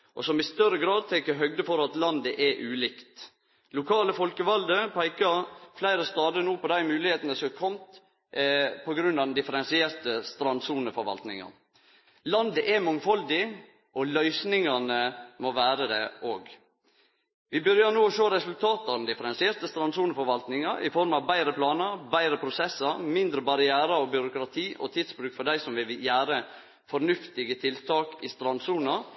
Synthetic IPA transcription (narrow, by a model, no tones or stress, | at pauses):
ʔɔ̰sɔmɪst̪œɾəɡɾɑːd̪̚t̪ʰɛŋkəɦœɡd̪əfɔɾɑt̪lɑnd̪əʔɛʔʉːliːkt̪ | lʊkʰɑːləfɔlkəʋɑld̪əpʰæɪkɑɾflæɪɾəst̪ɑːd̪ənuːpɔd̪æɪmʉːlɪheːt̪ənəsɔkʰɔmt̪ | pʰɔɡɾʉnːɑʋd̪ɛnd̪ɪfəɾɛnsɪɛːɾt̪əst̪ɾɑnd̪suːnəfɔɾʋɑ̰lt̪nɪ̰ŋɑ̰n | lɑnd̪əʔɛmɑŋfɔld̪ɪ | ʔɔlœʏsnɪŋɑnəmoʋæːɾəd̪ɛʔoːɡ | ʋɪbʏɾjənuːɔʃøːɾɛsʉlt̪ʰɑːt̪ɑn̩d̪ɪfəɾɛnsɪɛːɾt̪əst̪ɾɑnsuːnəfɔɾʋɑlt̪nɪŋɑɾɪ̰fɔɾmɑʋbæɪɾəpʰlɑːnəɾbæɪɾəpʰɾʊsɛsːɑɾmɪnd̪ɾəbɑɾɪæːɾəɔbʏɾʊkɾɑt̪ʰiːʔɔt̪ʰɪːd̪sbɾʉːkfɔɖæɪsɔmʋɪʋɪjæːɾə | fɔɾnʉft̪ɪɡət̪ʰɪlt̪ʰɑːkɪst̪ɾɑnsuːnɑ